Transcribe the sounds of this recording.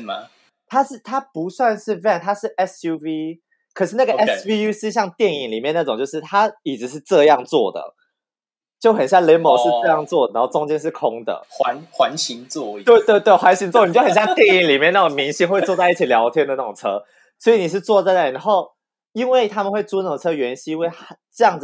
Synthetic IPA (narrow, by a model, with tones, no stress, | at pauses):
m˧ | t̪ʰa˥ʂɻ̩˥˩t̪ʰa˥pu˧˦swa˥˧nʂɻ̩˥˩vɛ˥˩nt̪ʰa˥ʂɻ̩˥˩ʔɛ˦˥sju˥vi˥ | kʰə˨˩ʂɻ̩˥˧na˥˩ɡəɛ˥svi˥ju˥ʂɻ̩˥˧ɕ̬jɑ˥˧ŋt̪jɛ˥˩ni˨˩ŋli˨˩mjna˥˩ʈ͡ʂʊ˨ŋt͡ɕjo˥˧ʊʂ̬ɻ̩˥˩t̪ʰa˥i˨˩ʈ͡ʂɻ̩˧˥ʂ̬ɻ̩˥˧ʈ͡ʂɤ˥˧jɑ˥˧ŋt͡swɔ˥˩d̪ə̰˩ | t͡ɕjo˥˩ʊxə˨˩nɕjɑ˥˩ŋlɛ˧˥nmo˨˩ʂɻ̩˥˧ʈ͡ʂɤ˥˧jɑ˥˧ŋt͡swɔ˥˩da˧˦nxo˥˩ʊʈ͡ʂʊ˥ŋt͡ɕjɛ˥nʂ̬̩˥˩kʰʊ˦˥ŋd̪ə̰˩˧˦nxwa˧˦nɕi˧˥ŋt͡sɔ˥˧t̪we˥˧ɪt̪we˥˧ɪt̪we˥˩ɪxwa˧˦nɕi˧˥nt͡swɔ˥˩˨n˨t͡ɕjo˥˩ʊxnɕjɑ˥˧ŋt̪jɛ˥˨ni˨˩ŋli˨˩mjna˥˩ʊ˨˩ŋmi˧˥ŋɕi˥ŋxwe˥˧ɪt͡swɔ˥˧t͡sa˥˧i˥˩t͡ɕʰi˨˩ljɑ˧˥ʊt̪ʰjɛ˥nd̪ə˨na˥˩ʊ˨ŋt͡sʰɤ˥ | swɔ˧˥i˨ni˨˩ʂ̬ɻ̩˥˧t͡swɔ˥˧t͡sa˥˧ɪna˥˩i˨˦nxo˥˩ʊ | i˦nwe˥˩ɪt̪ʰa˥mə˨nxwe˥˩ɪt͡su˥n˥˩˨t͡sʰɤ˥ɥɛ˧˥nɕi˥we˥˩ɪ˥ʈ͡ʂɤ˥˧jɑ˥˩ŋ